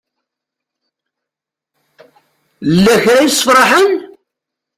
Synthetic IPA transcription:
lːæçɾæjəsˤːə̥fɾˤɑħən

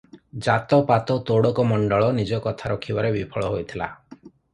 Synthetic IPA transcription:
d͡ʒat̪ɔpat̪ɔt̪oɽɔkɔmɔɳɖɔɭɔnid͡ʒɔkɔt̪ʰaɾɔkʰibaɾebipʰɔɭɔɦojt̪ʰila̰

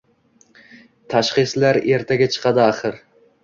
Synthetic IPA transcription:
t̪ʰaʃχɨslaɾe̞ɾt̪ʰaɡʲat͡ʃʰɨ̥qʰɑd̪ɪaχɨɾ

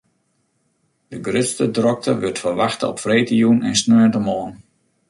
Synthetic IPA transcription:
d̥əɡrøtstədrɔk̚tʰəʋørtfərʋaxtə̰ɔpfreːtəjunɛ̰nsnøːəntəmɔːn

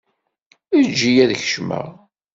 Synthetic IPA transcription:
id͡ʒːijæðçə̥ʃmə̰ʁ

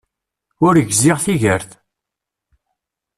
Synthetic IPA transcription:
ʊɾəʝzɪʁθiʝəɾθ

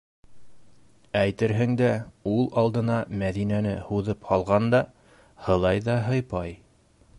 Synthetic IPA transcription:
æjt̪ɘ̆ɾɦɘ̆ŋd̪æulˠɑlˠd̪ɤ̆nɑmæðinænɘ̰huðɤphɑlˠʁɑnd̪ɑ | hɤ̆lˠɑjðɑɦɤ̆jpɑj

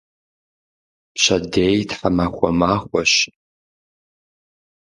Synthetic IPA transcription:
pɕɐdeːjtħamaxʷɔmaːχʷɔʃ

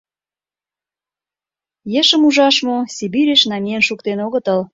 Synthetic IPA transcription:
jeʃəmuʒɑʃmosʲibiɾʲeʃnɑmʲienʃukt̪enoɣə̆t̪əl

